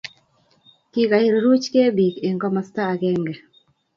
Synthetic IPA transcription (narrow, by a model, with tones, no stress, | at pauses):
ki˦ka˨i˦ɾo˨ɾu˦t͡ʃke˦bi˨ke˨ŋɡɔ˦mɔ˨sta˦˨ɡɛ˦ŋɡɛ˨